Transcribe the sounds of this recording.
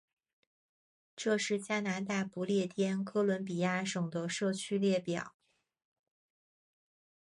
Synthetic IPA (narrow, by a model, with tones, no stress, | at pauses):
ʈ͡ʂɤ˥˧ʂɻ̩˥˩t͡ɕja˥na˧˥t̪a˥˩pu˧˥ljɛ˥˩t̪ʰjɛ˥nkʰɤ˥lwə˧˥npi˨˩ja˥˩ʂɤ˨˩ŋd̪ə˦ʂɤ˥˩t͡ɕʰy˥ljɛ˥˩pjɑ̰˨˩˦